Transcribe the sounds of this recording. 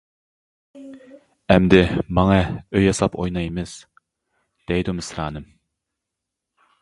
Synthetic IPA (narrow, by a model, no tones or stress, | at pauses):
ɛmd̪ɪmɑŋɑøjɑsɑpojnɑjmɨz̥ | d̪̥ɛjd̪umɪsɾɑːnɨm